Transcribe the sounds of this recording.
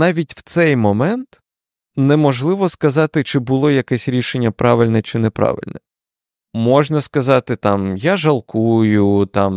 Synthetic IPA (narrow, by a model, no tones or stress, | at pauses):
nɑʋʲitʲw̥t̪sɛjmɔmɛnt̪ | nɛmɔʒlˠɪʋɔskɐzɑt̪ɪt͡ʃɪbʊlˠɔjɐkɛsʲɾʲiʃenʲːɐpɾɑʋɪlʲnɛt͡ʃɪnɛpɾɑ̰ʋɪ̰lʲnɛ | mɔʒnɐskɐzɑt̪ɪt̪ɑmjaʒɐlˠkujʊt̪ɑm